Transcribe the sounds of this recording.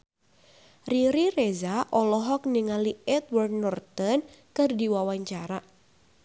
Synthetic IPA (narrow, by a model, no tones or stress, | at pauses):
riɾirezaʔɔlɔɦɔk̚niŋaliɛt̪̚wɔrd̪̚nɔrt̪ənkɨrdiwawaɲt͡ʃaɾa